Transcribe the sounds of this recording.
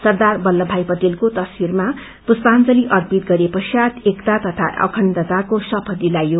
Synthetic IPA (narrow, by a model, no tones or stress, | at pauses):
sʌrd̪arbʌlːʌbʱajpʌt̪elkot̪ʌswirma | puspant͡sʌliʔʌrpit̪̚ɡʌɾepʌsjat̪ekt̪at̪ʌt̪ʰaʌ̰kʰʌnd̪ʌt̪akosʌpʰʌd̪ilajo